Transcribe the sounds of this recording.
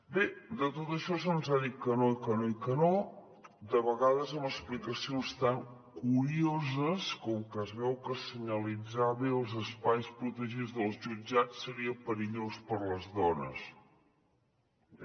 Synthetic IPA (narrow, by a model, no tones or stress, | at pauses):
bed̪ət̪ot̪əʃɔsonzaðikənoikənoikəno | d̪əβəɣaðəzəməsplikəsionst̪aŋ | kuɾiozəskɔmkəzβɛwkəsəɲəlid͡zaβeəlˠzəspajspɾut̪əʒid͡zðəlˠzʒud͡ʒat͡sːəɾiəpəɾiʎospəɾləzðɔnə̰s